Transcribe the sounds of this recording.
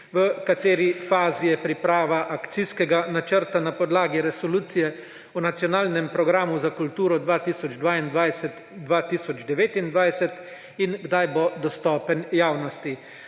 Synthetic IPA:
ʋəkat̪eːɾifaːzijɛpɾipɾaːʋaʔakt̪siskɛɡanat͡ʃəɾt̪anapɔd̪laːɡiɾɛsɔluːt̪sijɛ | ɔnat̪sijɔnaːlnɛmpɾɔɡɾaːmuzakult̪uːɾɔd̪ʋaːt̪iːsɔd͡ʒd̪ʋaːind̪ʋajsɛt̪ | d̪ʋaːt̪isɔd͡ʒd̪ɛʋeːt̪ind̪ʋajsɛt̪ | inɡd̪ajbod̪ɔst̪ɔːpənjaːwnɔst̪i

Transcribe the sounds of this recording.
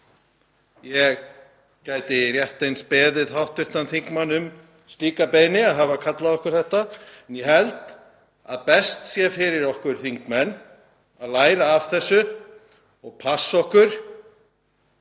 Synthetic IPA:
jɛɣ | caːjt̪ɪrjɛht̪ejnspɛːðɪðɦawht̪vʏɾ̥t̪anθiŋkmanːʏm | st̪iːkapejnɪaðɦavakʰat̪laðɔhkʏɾ̥θɛht̪aɛnjɛɦɛlt̪ | a̰ðpɛst̪sjɛfɪɾɪɾɔhkʏɾ̥θiŋkmɛnː | aðlaːjɾaːvθɛsːʏ | ɔɣpʰasːɔhkʏɾ̥

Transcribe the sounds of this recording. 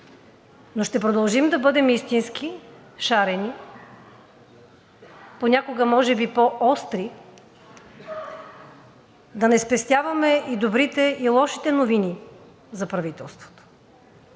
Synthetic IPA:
noʃt̪ɛpɾod̪ɐlˠʒimd̪ɐbɤd̪ɛmist̪inski | ʃaɾɛni | ponʲakoɡəmɔʒɛbipoʔɔst̪ɾi | d̪ɐnɛspɛst̪ʲjavɐmɛid̪obɾit̪ɛilˠɔʃi̥t̪ɛnovini | zɐpɾɐvit̪ɛlˠst̪vo̥t̪o̥

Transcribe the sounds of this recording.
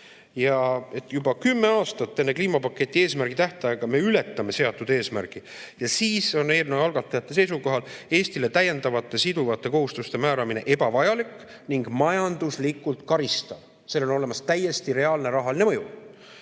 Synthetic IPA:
jɑe̞t̪ːˑjubɑkymːe̞ɑːst̪ɑt̪ːe̞nːe̞kliːmɑpɑkːˑe̞t̪ʲːˑie̞ːsmærɡ̥it̪æht̪ɑjɑɡ̥ɑme̞yle̞t̪ˑːɑme̞se̞ɑt̪ːˑud̪̥e̞ːsmærɡ̥i | jɑsiːso̞neːrnevɑlɡ̥ɑt̪ːˑɑjɑt̪ːe̞s̬e̞js̬uko̞ɦɑle̞ːst̪ile̞t̪æjːe̞nd̪ɑvɑt̪ːˑe̞sid̪̥uvɑt̪ːˑe̞ko̞ɦust̪ust̪e̞mæːɾɑmine̞̰ʔe̞bɑvɑjɑlikːˑ | niŋɡmɑjɑnd̪̥uslikˑːult̪kɑɾist̪ɑv | se̞ːlo̞no̞lemɑst̪æje̞st̪iɾe̞ɑːlne̞ɾɑɦɑlinemɤ̞ju

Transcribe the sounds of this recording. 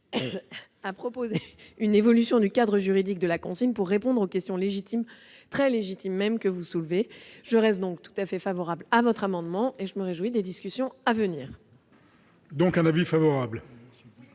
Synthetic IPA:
apχɔpozeynevɔlysjɔ̃d̪ykad̪ʁəʒyʁid̪ik̚d̪əlakɔ̃sinpuʁːepɔ̃d̪ʁokʲɛst̪jɔ̃leʒit̪ʰim | t̪χɛleʒit̪imːɛmkəvusulveʒ̥əʁɛst̪̚d̪ɔ̃k̚t̪u̥t̪afɛfavɔʁablavɔt̪χamɑ̃d̪mɑ̃eʒəməʁeʒwid̪ed̪iskʲysjɔ̃avəniːʁ | d̪ɔ̃kɛ̃navifavɔʁabl

